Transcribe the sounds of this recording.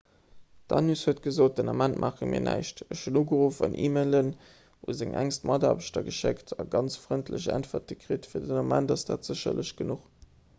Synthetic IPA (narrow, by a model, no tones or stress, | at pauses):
d̥ɑnyshuət̚ɡ̥əzoːt̚d̥ənɑmæntmʔaːχəmḭːɐnʔæ̰ɪʃtəɕunuːɡəʁuːfɑ̰nʔḭːmeɪlən | uzɪŋʔæŋstmɑdaːbəʃtɐɡəʃektʰɑɡɑnt͡sfʁəntʰləɕæ̰ntfɐt̚ɡəkʁeːtfiːɐdənɑmæntɑsd̥aːtz̥əɕɐ̰lʔəɕɡ̥ənuχ